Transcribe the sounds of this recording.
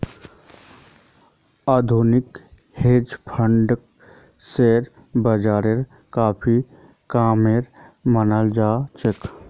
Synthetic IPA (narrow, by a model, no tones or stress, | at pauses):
aːd̪ʱuːnɪk | heːd͡ʒpʰəɳɖk | seɾ | bəd͡ʒaːɾeɾ | kaːpʰi | kaːmeɾmənald͡ʒaːt͡ʃek